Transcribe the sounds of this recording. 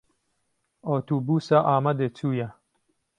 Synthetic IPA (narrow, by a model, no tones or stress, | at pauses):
oːt̪uːbuːsaʔaːmɐd̪et͡suːjɐ